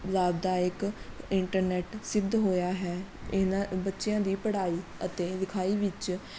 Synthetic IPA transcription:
laːbd̪aːɪkɪɳʈəɾnɛːʈsɪbd̪ɦoːjaːɦɛːɪnãbətːʃejãːd̪iːpəɽaːiːət̪eːd̪ɪkʰaːiːʋɪt͡ʃ

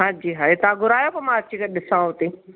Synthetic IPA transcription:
ɦãːd͡ʑiːɦaːet̪ãɡʱʊɾaːjopɐmãɐt͡ɕikɐɗɪsãɦot̪ĩː

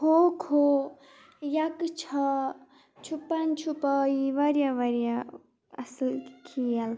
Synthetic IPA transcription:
hokʰo | jakt͡ʃʰɐ | t͡ʃʰupːant͡ʃʰupaiʋaɾjaʋɐɾja | ɐ̰slkʰijal

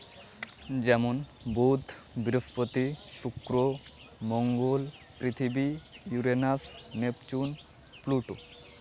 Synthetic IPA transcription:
d͡ʑɛmonbud̪ʱbiɾospot̪iʃukɾo | moŋɡolpɾit̪ʰibijuɾenasnept͡ɕun | pluʈo

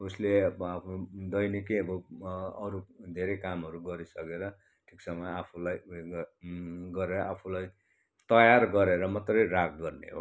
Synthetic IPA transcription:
usleapʰud̪ʌjnikejʌbʌʌɾud̪ʱeɾejkamɦʌɾuɡʌɾisʌkeɾʌ | ʈʰiksʌmʌapʰulaj | ɡʌɾeɾʌʔapʰulaj | t̪ʌjarɡʌɾeɾʌmʌt̪rʌjrak̚ʰɡʌrnḛɦo̰

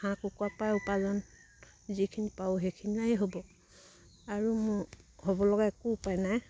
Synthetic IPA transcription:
hãkukuwapajupazɔn | zikʰinipaʊɦekʰiniajeɦobɔ | aɹumʊhobɔlɔɡaɛkuupajnaj

